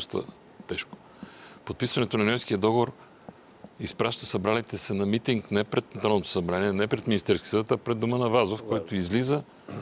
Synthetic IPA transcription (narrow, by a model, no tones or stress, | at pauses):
ʃt̪ə̰ | t̪ɛʃko̥ | pot̪̚pisvɐnɛt̪onɐnʲɛjskiəd̪ɔɡovoɾ | ispɾaʃt̪əsɐbɾalit̪ɛsɛnɐmit̪iŋknɛpɾɛt̪nt̪ɾanot̪o̥sɐbɾaniɛnɛpɾɛt̪minist̪ɛɾskʲi̥sd̪ət̪ɐpɾɛd̪ːumənɐvazofkɔjt̪oizlizə